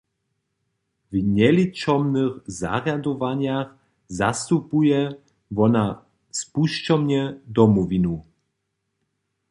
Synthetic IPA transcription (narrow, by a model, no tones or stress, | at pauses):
vɲɛlit͡ʃɔmnɨxza̰ɣjad̪ɔvaɲjax | zast̪upujɛ | vɔna | spuʃt͡ʃɔmɲɛd̪ɔmɔvinu